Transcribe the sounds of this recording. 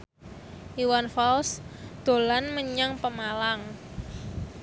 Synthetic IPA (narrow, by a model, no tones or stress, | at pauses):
ʔiwanfɔlsd̪̥o̤lanməɲaŋpəmalaŋ